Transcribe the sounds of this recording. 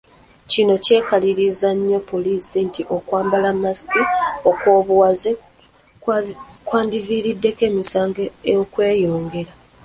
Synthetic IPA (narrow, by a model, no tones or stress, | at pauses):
cino̞ce̞ːkaliɾizaɲːo̞po̞liːsintiʔo̞kwaːmbalamːasi̥kio̞kwo̞ːβuwaze | kwaːndiviːɾidːe̞ke̞ːmisaːŋɡeejokwe̞ːjo̞ːŋɡe̞ɾa